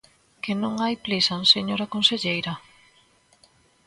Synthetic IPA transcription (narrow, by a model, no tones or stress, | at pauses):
kɪnõŋajplisanseɲoɾakonseʎejɾa